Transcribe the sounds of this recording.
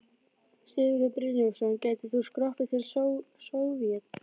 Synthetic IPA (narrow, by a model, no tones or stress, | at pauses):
sɪɣɾʏpɾɪnɔfsɔncaːjt̪ɪθuskɾɔhp̪ɪt̪ʰɪlssowvjɛt̪